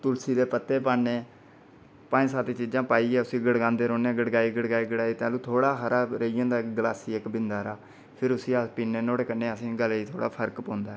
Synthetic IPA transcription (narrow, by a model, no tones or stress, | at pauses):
t̪ʊlsiːd̪eːpət̪ːeːpaːneː | pãːsaːt̪eːt͡ʃiːd͡ʒãːpaːiːɛːʊsĩːɡəɽɡãːnd̪eːɾoːneɡəɽɡaːiːɡəɽɡaːiːɡəɽaːiːt̪ẽːluːt̪ʰoːɽaːxəɾaːɾəijãːd̪aːkɡəlaːsiːekbɪnd̪aːɾaː | pʰɪɾʊsĩːapiːneːnoːɽeːkənːeːəsĩːɡəliːt̪ʰoːɽa̰ːpʰəɾkpõːnd̪aː